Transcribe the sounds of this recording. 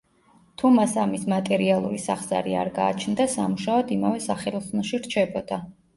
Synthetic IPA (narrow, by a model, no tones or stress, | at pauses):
t̪ʰumasamismat̪ʼɛɾialˠṵɾisaχz̥a̰ɾia̰ɾɡaːt͡ʃʰnd̪asamuʃaɔd̪imavɛsaχɛlˠɔsnɔʃiɾt͡ʃʰɛbɔd̪̥a